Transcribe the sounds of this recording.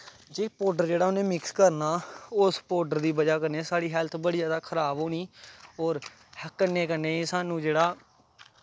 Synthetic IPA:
d͡ʒeːpoːɖəɾd͡ʒeːɽaːʊnẽːmɪkskəɾnaːʊspoːɖəɾd̪iːbəd͡ʒaːkəɾneːsaːɽiːɦɛlt̪ʰbəɽiːaːd̪aːkʰəɾaːboːniːɔːɾ | həkːəneːkəɾneːsaːnũːd͡ʒeːɽaː

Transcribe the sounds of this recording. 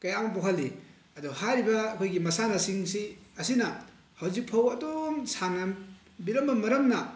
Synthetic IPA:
kɐjamɐpoɦɐlːi | ɐduhaɾibɐːkʰojɡimɐsanɐsiŋsiɐsinɐ | hɐwzik̚pʰɐwɐdomsaŋɐ | biɾɐmbɐmɐɾɐmnɐ

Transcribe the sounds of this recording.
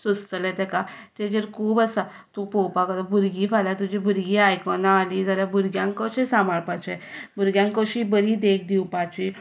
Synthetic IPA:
sust̪əlɛt̪ɛkat̪ed͡ʑəɾkʰuːbəsa | t̪upɔwpakəd̪abʱuɾɡiːfʰaljat̪ud͡ʑibʱuɾɡiːajkɔnaːlid͡zaljabʱuɾɡjãŋkɔɕẽsamaɭpat͡ɕebʱuɾɡjãŋkɔɕibəɾiːd̪ek̚d̪iwpat͡ɕi

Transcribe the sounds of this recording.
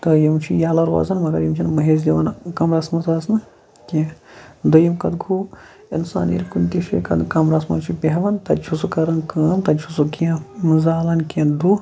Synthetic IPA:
t̪ɐjɐmt͡ʃʰijaːlɐɾʋɐ̰zɐnmɐd̪ɐ̰ɾjimt͡ʃʰinmɐɦeːzd̪ʲiʋɐnkɐmɾɐsmɐzaːsnɨ | kẽd̪ɐjimkɐd̪ɡʰʱuː | insa̰ːnḭɾkunt̪iʃḭkɐ̰d̪kɐmɾasmɐ̰nt͡ʃʰipʲeɦɐʋɐnt̪ɐt͡ʃʰusukɐɾɐnkɐːnt̪ɐt͡ʃʰusukiɐ̃mɨzaːlɐnkẽd̪u

